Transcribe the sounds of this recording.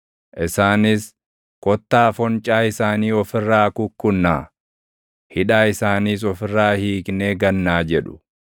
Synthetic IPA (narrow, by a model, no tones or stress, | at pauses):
ʔɪsaːnɪs | kɔt̪ːaːfɔnt͡ʃʼaːɪsaːniːɔfɪrːaːkʊkːʊnːaː | hɪᶑaːɪsaːniːs̬ɔfɪrːaːhiːkneːɡɐnːaːd͡ʒɛᶑʊ̥